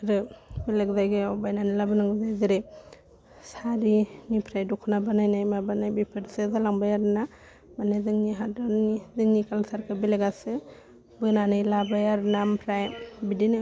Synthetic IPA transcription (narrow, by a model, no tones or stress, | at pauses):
ɾɯbileɡzajɡɯɔbajnanilabɯnaŋzajziɾe | saɾinipʰɾajdukʰɯnabanajnajmabanajbipʰɯɾsɯzɯlaŋbajaɾna | manezɯŋniɦadɯnizɯŋnikalsaɾkʰɯbileɡasɯ | bɯnanɯjlabajaɾnampʰɾajbidinɯ